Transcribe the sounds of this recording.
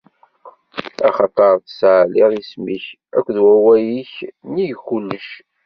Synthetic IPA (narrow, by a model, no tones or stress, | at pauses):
ɑχɑt̪ˤɑɾˤθsʕliðismiç | ækʷːðwæwæjiçnijkːulːəʃ